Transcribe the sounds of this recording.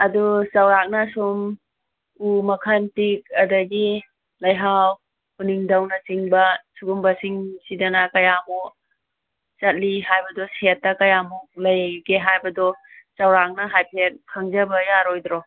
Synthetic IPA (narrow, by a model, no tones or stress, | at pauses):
ɐdusɐwɾak̚nɐsum | umɐkʰɐntik̚ɐdɐɡi | lɐjɦaw | uniŋdɐwnɐsiŋbɐsuɡumbɐsiŋsidɐnɐkɐjamu | t͡ʃɐt̚liɦajbɐdɔsetːɐkɐjamuklɐjkeɦajbɐdɔ | sɐwɾak̚nɐɦajpʰet̚kʰɐŋd͡ʒɐbɐjaɾojd̪ɾɔ